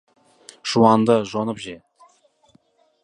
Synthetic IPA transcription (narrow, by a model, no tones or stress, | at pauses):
ʒ̥uwɑnd̪əʒonəpʒe